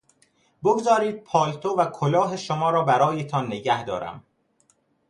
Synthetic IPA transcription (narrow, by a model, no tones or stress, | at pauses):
boɡzɒːɾiːd̪̚pʰɒːlt̪ʰovækʰolɒːɦeʃomɒːɾɒːbæɾɒːjet̪ʰɒnːeɟæhd̪ɒ̰ːɾæ̰m